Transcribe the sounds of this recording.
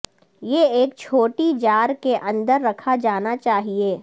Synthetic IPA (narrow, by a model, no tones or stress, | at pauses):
jeeːk̚t͡ʃʰoːʈid͡ʒaːɾkeʔɐ̃nd̪əɾːɐkʰad͡ʒaːnat͡ʃaːɦieː